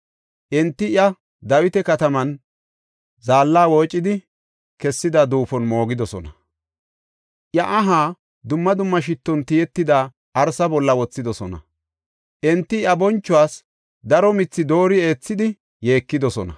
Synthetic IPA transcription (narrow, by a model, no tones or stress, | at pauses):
ʔɪnt̪ːɪjɐ | d̪ɐwɪt̪ɛkɐt̪ɐmɐn | zaːlːaːwoːt͡ʃʼːɪd̪ɪ | kɛsːɪd̪ɐd̪uːfɔnmo̞ːɡɪd̪ɔsɔ̰nɐ | ʔjɐʔɐɦaː | d̪ʊmːɐd̪ʊmːɐʃ̬ɪt̪ːɔnt̪ɪjɛt̪ːɪd̪aː | ʔɐɾsɐbɔlːɐwɔt͡sːɪd̪ɔsɔnɐ̰ | ʔɛnt̪ːɪjɐbɔnt͡ʃːʊwaːs | d̪ɐɾɔmɪt͡sːɪd̪o̞ːɾɪe̞ːt͡sːɪd̪ɪ | je̞ːkːɪd̪ɔsɔnɐ